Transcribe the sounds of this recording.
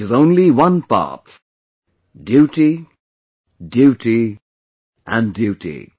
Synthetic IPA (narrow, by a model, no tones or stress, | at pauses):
ɨzõʊ̃nliwʌ̃npɑ̰ˑt | djuʈi | djuːʈi | ʔə̃ndjʉːʈḭ